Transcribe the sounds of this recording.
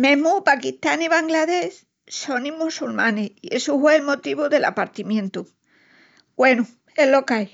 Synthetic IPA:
mẽmupakiht̪aniβaŋɡlaðe̞s | so̞nimusulmãneie̞suhweːlmot̪iβuðe̞la̰paɾt̪imjẽnt̪u | ɡ̥we̞nu | elokaj

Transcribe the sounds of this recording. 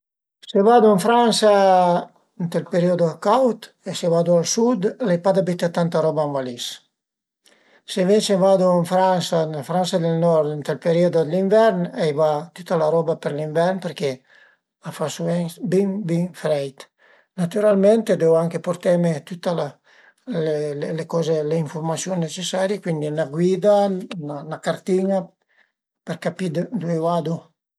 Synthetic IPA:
sevad̪uãɱfɾansa | int̪ɛlpeɾiod̪okawt̪ | esevad̪ualsud̪lɛjpad̪abit̪at̪ant̪aɾɔbaːɱvalis | sevensevad̪uaɱfɾansanlafɾansad̪elnɔɾd̪int̪ɛlpeɾiod̪od̪eliɱvɛɾnɛjvat̪ut̪alaɾɔbapeɾliɱvɛrnpeɾke | afasuvɛnsbiŋbiŋfɾɛjt̪ | nat̪yɾalment̪ed̪ɛwaŋkepoɾt̪ɛmet̪ut̪ala | lelelekɔzeleiɱfoɾmasjonːet͡ʃesaɾjikwind̪inaɡwid̪ananakaɾt̪ina | peɾkapid̪d̪uɛad̪u

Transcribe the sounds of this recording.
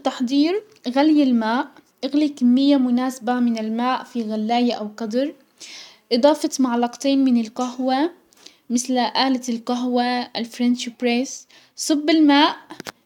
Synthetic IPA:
t̪ːɑħd̪ˤiːɾ | ɣaljɪlmaːʔ | ʔɪɣlikamːɪjːamʊnaːsabamɪnɪlmaːʔfiɣalːaːjaʔawqɑd̪ɾˤ | ʔɨd̪ˤɑːfɑt̪maʕlɑqt̪ˤeːnmɪnɪlqaɦwa | mɪθlʔaːlalqaɦwalfɾanʃpɾes | sˤʊbːɪlmaːʔ

